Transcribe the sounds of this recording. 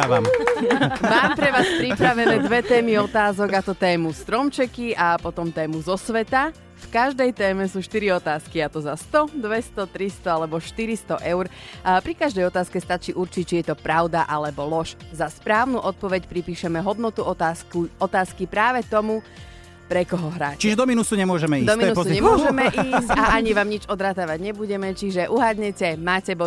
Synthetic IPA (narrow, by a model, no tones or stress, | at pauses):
aam | maːmpɾɛʋaːspɾipɾaʋɛnɾɛːd̪ʋɛt̪ɛːmiɔt̪aːzɔɡat̪ɔt̪ɛːmust̪ɾɔmt͡ʃɛkiapɔt̪ɔmt̪ɛːmuzɔsʋɛt̪a | fkaʒd̪ɛjt̪ɛːmɛsuːʃt̪iɾiɔt̪aːskiat̪ɔzast̪ɔd̪ʋɛst̪ɔt̪ɾist̪ɔalɛbɔʃt̪iɾist̪ɔʔɛʊɾpɾikaʒd̪ɛjɔt̪aːskɛst̪at͡ʃiːʔuɾt͡ʃic̚t͡ʃijɛt̪ɔpɾaʊd̪aʔalɛbɔlɔʃzaspɾaːʊnuʔɔt̪̚pɔʋɛcpɾipiːʃɛmɛɦɔd̪nɔt̪uɔt̪aːskuɔt̪aːskipɾaːʋɛt̪ɔmu | pɾɛkɔɦɔɦɾa̰ːct͡ʃiʒɛd̪ɔminusuɲɛmʊɔʒɛmɛid̪ɔmiɛnussuɲɛmʊɔʒɛmɛʔiːsaʔaɲiʋaːmɲid͡ʒɔd̪ɾat̪aːʋaɟɲɛbuɟɛmɛt͡ʃiʒɛʔuɦad̪ɲɛcɛmaːcɛbɔ